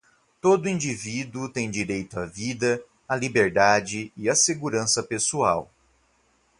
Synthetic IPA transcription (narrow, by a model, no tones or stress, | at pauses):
t̪od̪ʊĩnd͡ʒivid̪ʊt̪ẽj̃d͡ʒiɾejt̪ʊɐvid̪ɐː | libeɾd̪ad͡ʒɪɪɐseɡuɾɐ̃sɐpesuaw